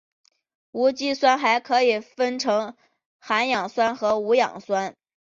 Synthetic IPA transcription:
u˧˥t͡ɕi˥swa˥nxa˧˥ɪkʰɤ˧˥i˨˩fə˥nʈ͡ʂʰɤ˧˥ŋ | xa˧˥njɑ˨˩ŋswa˥nxɤ˧˥u˧˥jɑ̰˨˩ŋswa˥n

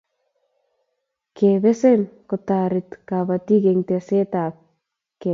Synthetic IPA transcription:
kʰe˨bɛ˦se˦nkʊ˨ta˨ɾɪ˨t̪ka˨ba˨ti˦ke˨ŋte˨se˦ta˨p̚ | ke˨

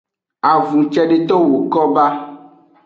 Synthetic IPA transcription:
a˨vũ˨t͡ʃɛ˦ɖe˦t̪ɔ˦wo˨kɔ˦ba˦

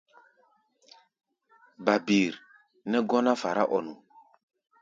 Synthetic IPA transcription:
ba˨bi˨ɾ | nɛ˦ɡɔ˦na˦fa˨ɾa̰˦ʔɔ˨nu˨

